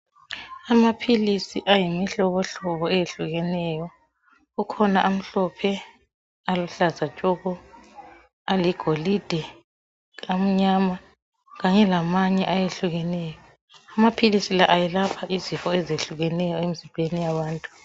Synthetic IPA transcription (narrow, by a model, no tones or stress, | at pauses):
amapʰilisiʔajimiɬɔβɔɬɔβɔɛjeɬuɣɛnɛjɔ | ɣukʰɔnaʔam̩ɬɔpʰɛ | aluɬazat͡ʃʼɔɣɔ | aliɡ̥ʱolid̥ʱɛ | am̩ɲama | ɣaɲɛlamaɲɛʔajeɬuɣɛnɛːjɔ | amapʰilisilaʔajɛlapʰaʔizifɔɛzeɬuɣɛnɛjɔemizimbʱenijaβaːntʼu